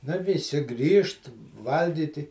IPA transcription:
ˈnʊ ʋʲɪˈsʲɪ ˈɡrʲiːʃt ˈʋɐlʲɡʲiːtʲɪ

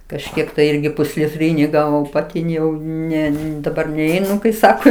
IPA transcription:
kɐʃʲˈkʲiɛk tɐɪ ˈɪrʲɡʲɪ pʊsʲlʲɪˈtʲrʲiːnʲɪ ˈɡɑːʋoːm pɐˈtʲɪ jɛʊ ˈnʲɛ dɐˈbɐr nʲɛˈɛɪnʊ kɐɪ ˈsɑːkoː

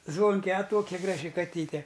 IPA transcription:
ˈzʋoːŋʲkʲɛ ɐ ˈtoːkʲɛ ˈɡrɑːʒʲɪ kɐˈtʲiːtʲɛ

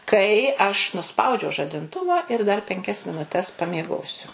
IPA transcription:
ˈkɐɪ ɐʃ nʊˈspɐʊd͡ʒʲɛʊ ʒɐdʲɪnˈtʊʋɐ ɪr dɐr pʲɛŋʲˈkʲɛs mʲɪnʊˈtʲɛs pɐmʲiɛˈɡoːsʲʊ

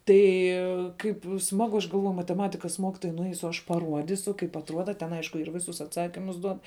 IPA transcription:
ˈtɐɪ ˈkɐɪp ˈsmɑːɡʊ ɐʃ ɡɐlˠˈʋoːjʊ mɐtʲɛˈmɑːtʲɪkɐs ˈmoːkʲɪtoːjɛɪ nʊˈɛɪsʊ ɐʃ pɐˈruɔdʲiːsʊ kɐɪp ɐtˈruɔdɐ tʲɛn ˈɐɪʃkʊ ɪr ˈʋʲɪsʊs ɐtˈsɑːkʲɪmʊs ˈduɔt

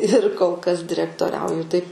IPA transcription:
ɪr koːlˠ kɐs dʲɪrʲɛktoːˈrʲɛʊjʊ tɐɪp

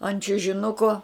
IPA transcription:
ɐnt t͡ʃʲʊʒʲɪˈnʊkoː

